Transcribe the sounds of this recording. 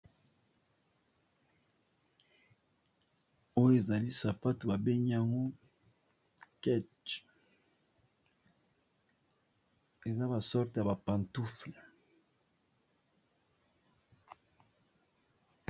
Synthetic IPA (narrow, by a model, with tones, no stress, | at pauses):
o˦jo˦e˨za˨li˦sa˨pa˦tu˨ba˨be˦ɲi˦a˨ŋɡo˦ | kɛ˦t | e˨za˦ba˨sɔ˦ʁte˨ja˨ba˨pa˨ntu˦fle˨